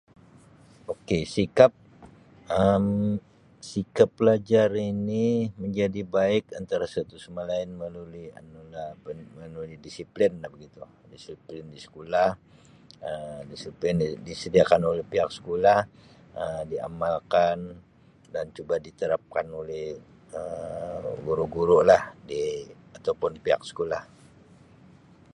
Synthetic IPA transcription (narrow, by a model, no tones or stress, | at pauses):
okesikap̚ | əm | sikapːəlad͡ʒaɾiniməɲd͡ʒadibaɪka̰nt̪aɾasat̪usumalaɪnməlulia̰nulabəmənulidisiplɪnlahbəɡit̪u | disiplɪndisə̥kolah | ədisiplɪndisədiakanolɛhpiɦaksə̥kolah | ədia̰malkan | dant͡ʃubadit̪əɾap̚kanolɛh | ə | ɡuɾuʔɡuɾʊlahdiat̪awpʊnpiɦa̰k̚sə̥kolah